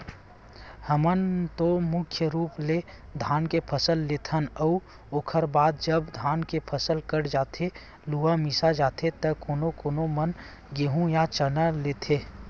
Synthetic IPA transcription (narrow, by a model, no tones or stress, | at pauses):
həmənt̪omʊkʰjəɾuːple | d̪ʱaːnkepʰəsəlːet̪ʰənəu | oːkʰəɾbaːd̪̚d͡ʒəbd̪ʱaːnkepʰəsəlkəɽd͡ʒaːt̪ʰe | luʋamisad͡ʒaːt̪ʰet̪əkoːnokoːnomən | ɡeːɦũjat͡ʃənəlet̪ʰe